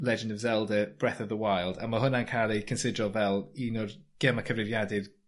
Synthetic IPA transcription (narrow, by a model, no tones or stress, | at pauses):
lɛd͡ʒəndəvzɛlˠdəb̥ɹɛθəvðəwajlˠdaməɦʊnankʰalˠikʰənsɪdrɔvɛlˠinɔrɡ̥ɛmakʰəvrɪvjadɪð